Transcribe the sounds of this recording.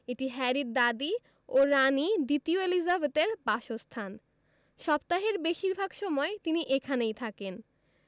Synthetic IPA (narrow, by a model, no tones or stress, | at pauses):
eʈiɦɛɾid̪̚d̪ad̪i | oɾanid̪it̪ioelizabet̪eɾbaʃost̪ʰan | ʃɔbt̪aɦeɾbeʃiɾbʱaɡʃɔmɔet̪iniʔekʰanejt̪ʰaken